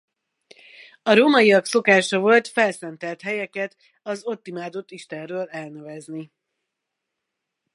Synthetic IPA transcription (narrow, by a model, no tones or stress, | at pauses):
ɒɾoːmɒjiɒkso̞kaːʃɒvo̞lt̪fɛlsɛnt̪ɛlt̪ɦɛjɛkɛt̪ | ɒzot̪ːimaːd̪o̞t̪ːiʃt̪ɛrrøːlɛlnøvɛzni